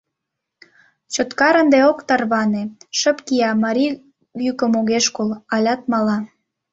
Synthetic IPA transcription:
t͡ɕot̪kɑɾənd̪eokt̪ɑrβɑneʃə̆pkiɑmɑɾʲi | ykə̆moɣeʃkolɑlʲɑt̪̚mɑlɑ

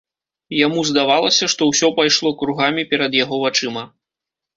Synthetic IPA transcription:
jamuzd̪avalˠɐsʲɐʂt̪ɔwsʲɔpajʂlˠɔkɾuɣamʲipʲɛɾɐd̪jaɣɔvat͡ʂɨmɐ

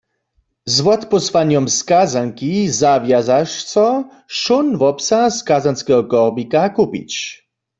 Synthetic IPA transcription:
zwɔt̪pɔswaɲɔmskazaŋkizavjazaʂsɔ | ʃunvɔpsaskazanskɛɦɔkɔʁbikakupḭt͡ɕ

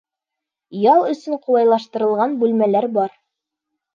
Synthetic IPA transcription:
jɑlˠɵ̆sɵɴqulˠɑjlˠɑʃt̪ɤ̆ɾɤ̆lˠʁɑnbʉlmælæɾbɑɾ

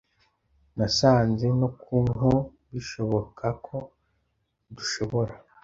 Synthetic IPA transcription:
nasaːnze̞nokʰuːnɦu | βiʃo̞βo̞kʰakʰo̞ | duʃo̞βo̞ɾa

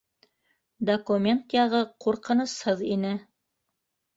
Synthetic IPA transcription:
d̪okumʲent̪jɑʁɤquɾqɤ̆nɤ̆shɤðinɘ

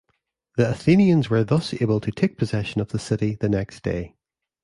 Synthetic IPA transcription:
ðiəθĩniə̃nzwə˞ðʌsebəlˠtʰətʰek̚pʰəzɛʃə̃nəvðəsɪʔiðənɛksd̥ḛ

